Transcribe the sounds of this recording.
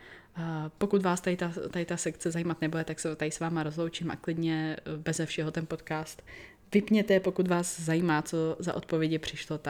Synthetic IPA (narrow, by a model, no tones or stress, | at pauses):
po̞kut̪vaːst̪adɪt̪at̪aɪt̪asɛkt͡sɛzajiːmat̪nɛbudɛt̪aksɛt̪ajɪsvaːmaɾo̞zlo̞wt͡ʃɪmʔa̰klɪdɲɛbɛzɛfʃɛɦo̞t̪ɛnpo̞t̪kaːst̪ | vɪpɲɛt̪ɛpo̞kut̪vaːzzajiːmaːt͡so̞za̰ʔo̞t̪̚po̞vjɛɟɪpr̝̥ɪʃlot̪a